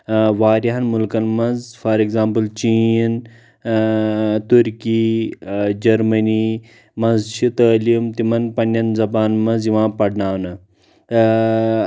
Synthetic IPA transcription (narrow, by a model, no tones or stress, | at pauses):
ʋaːɾiɦɐnmulkɐnmɐnzfɐɾeɡzãːmpɨlt͡ʃin | t̪uɾki | d͡ʒɐɾmɐni | mɐnzʃʰit̪ɐːliumt̪imɐnpɐnʲːɐnzɐbaːnmɐnzjiʋãːpɐɽnaːnɐ